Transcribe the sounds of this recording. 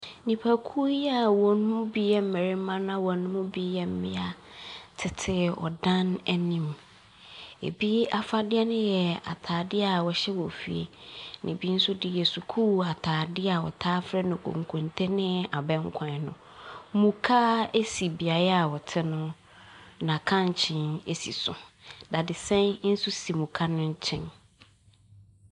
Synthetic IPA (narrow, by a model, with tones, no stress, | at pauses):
nĩ˨pʰa˨kʰu˦ɛ˦a˨wɔ˨nʊ̃˦mʊ̃˦bi˦jɛ˦m̩˦˨mɛ˨ɾɪ˦mã˦nã˦wɔ˨nʊ̃˦mʊ̃˦bi˦jɛ˨m̩˦mɪ̰̃˦a˨tʰɪ˨tʰɪ˦ɔ̰˨dã˦nɛ˦nĩ˨m | ḛ˨bi˦a˨fa˦dɪ˦ɛ˦nʊ̃˦jɛ˨a̰˨tʰaː˨dɪ˦a˨wɔ˨ɕɛ˦wɔ˨fḭ˨ḛ˨nʔɪ̰̃˨bi˦n̩˦sʊ˦dɪ˦jɛ˨su˨kʰuː˦a˨tʰaː˨dɪ˦a˨wɔ̰˨tʰaː˦fɾɛ˦nʊ̃˨kʰõ̰˨ŋ˨kʰõ˨ntʰɛ˦nɪ̃˦a˨bɛ̃˦ŋ̩˦kʷʰã˨nʊ̰̃˨ | mũ˨kʰa˦e˦si˨bi˨a˨ɾa˦a˨wɔ˨tʰɪ˦nʊ̃˦ | nã˨kʰã˦ɲ˨t͡ɕʰɪ̃˦ne˦sḭ˨sʊ̰˨da˨dɪ˨sɛ̃˦nn̩˦sʊ˦si˨mũ˨kʰa˦nʊ̃˦ɲ˦t͡ɕʰɪ̰̃˦n